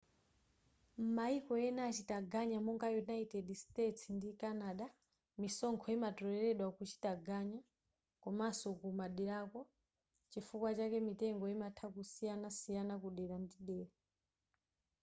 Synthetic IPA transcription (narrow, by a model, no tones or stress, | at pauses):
m̩maikɔjɛnat͡ʃitaɡaɲamɔŋɡajunaitɛdstɛtsndikanaɗa | misɔŋkʰɔjimatɔɾɛɾɛɗwakut͡ʃi̥taɡaɲa | kɔmasɔkumaɗɛɾakɔ | t͡ʃifukwat͡ʃakɛmitɛŋɡɔjimatʰakusijanasijanakuɗɛɾandiɗɛːɾa